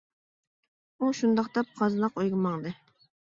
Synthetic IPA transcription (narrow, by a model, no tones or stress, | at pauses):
uʃund̪ɑqd̪ɛp̚qʰɑzlˠɑqojɡɪmɑŋd̪ɨ